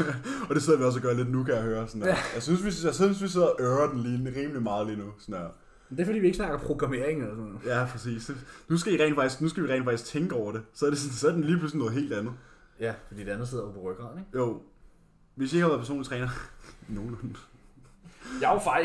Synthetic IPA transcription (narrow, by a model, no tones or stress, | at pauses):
ɒɾ̥e̝se̝ð̰ˠɐʋiɒ̽s̬æɡ̥ɶɐle̝d̥nukʰæjahøːɐsɔnjaɪsynsʋisseʋisʋise̝ð̰ˠɐʔøːɐd̥enliːnʁiːmlimɑ̈ːð̞̩ˠliːnusɔnæ | mnd̥e̝ɐfdḭːʋie̝ɡ̥snɑ̈ɡ̥ɐ̽mpʰʁo̝ɡ̥ʁɑ̈me̝ɐeŋnelɐsɔnɔð̩ˠjæpʰʁɛsḭːsenus̬ɡ̥æiʁɛ̰nfɑ̈ɡ̥isɡ̥nusɡ̥æʋiʁɛ̰ɪ̰nfɑ̈ɡ̥isɡ̥̚t͡sʰeŋɡ̥əɒʊ̰ɐɾ̥e̝sɒ̽æɐɾ̥esnsɒ̽æɐd̥enliːpʰluslinɔ̽ːð̞̩ˠe̝̰ːld̥ænð̩ˠ | jæfɒdḭːde̝ænð̩ˠse̝ð̰ˠɐpʰɒpʰoʁœɡ̥ʁɑ̰̈ːneɡ̥joʊ̰ | ʋe̝sjie̝ɡ̥hɑʋæɐðˠpʰæɐso̰ːlit͡sʰʁɛːnɐno̝ːn̩n | jɑfɑɪ